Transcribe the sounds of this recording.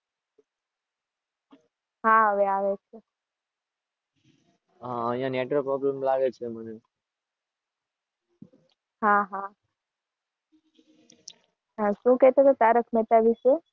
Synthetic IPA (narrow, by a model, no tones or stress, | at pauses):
ɦaɦəʋeaʋet͡ʃʰe | aəɦijãneʈɾopɾɔblemlaɡet͡ʃʰeməne | ɦaɦa | əʃũkɛɦt̪et̪ot̪aɾəkʰmɛt̪aʋiʃe